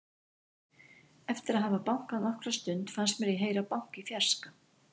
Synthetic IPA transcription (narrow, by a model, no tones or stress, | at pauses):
ɛft̪ɪɾaðɦaːvapawŋ̥kaðnɔhkɾast̪ʏnt̪fansmɛɾiɦeːjɾapawŋ̥kifjar̥ska